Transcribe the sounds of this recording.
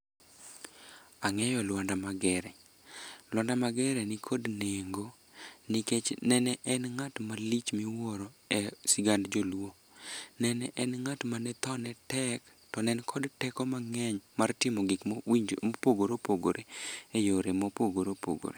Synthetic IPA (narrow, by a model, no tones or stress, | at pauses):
aŋɛjɔlwandamaɡɛɾɛ | lwandamaɡɛɾɛnɪkʰodneŋɡo | nɪket͡ʃnɛnɛʔɛnŋatmalit͡ʃmiwoɾoɛsiɡandd͡ʒolwo | nɛnɛʔɛnŋatmanɛt̪ɔnɛtɛk | tɔnɛnkʰɔdtɛkɔmaŋɛɲmartɪmɔɡɪkipoɡoɾopoɡo̰ɾʔeejoɾemɔpoɡoɾopo̰ɡo̰ɾe